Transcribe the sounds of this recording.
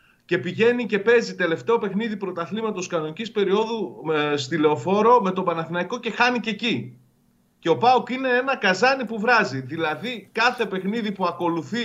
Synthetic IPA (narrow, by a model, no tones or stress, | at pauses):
ce̞piʝe̞nice̞pe̞zit̪e̞le̞ft̪e̞o̞pe̞xniðipɾo̞t̪ɐθlimɐt̪o̞skɐno̞nicispe̞ɾio̞ðust̪ile̞o̞fo̞ɾo̞me̞t̪obɐnɐθinɐiko̞ce̞xɐnice̞ci | ce̞o̞pɐukine̞e̞nɐkɐzɐnipuvɾɐziðilɐðikɐθe̞pe̞xniðipuɐko̞luθi